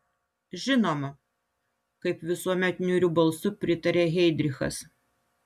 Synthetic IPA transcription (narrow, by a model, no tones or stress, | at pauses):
ʒʲɪnoːmɐ | kɐɪpʋʲɪsuɔmʲɛt̪ʲnʲuɾʲubɐlˠsʊpʲɾʲɪt̪ɐɾʲeɦʲɛɪd̪ʲɾʲɪxɐ̰s